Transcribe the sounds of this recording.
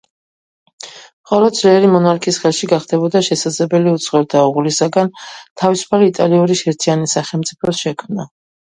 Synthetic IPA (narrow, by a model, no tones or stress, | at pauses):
χɔlˠɔd̪sɾɛɛɾimɔnaɾkʰisχɛlˠʃiɡaχd̪ɛbɔd̪aʃɛsad̪zlɛbɛliut̪sʰʼχɛɾd̪auʁulisaɡant̪ʰavisu̥pʰaliːt̪ʼaliuɾiʃɛɾt̪ʰianisaχɛlˠmt̪sʼipʰɔsʃɛkʰmna